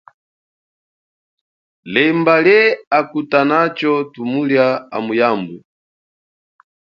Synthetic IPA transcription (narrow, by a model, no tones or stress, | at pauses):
lɛmbaljɛakutanat͡ʃɔtumuljaa̰mujambu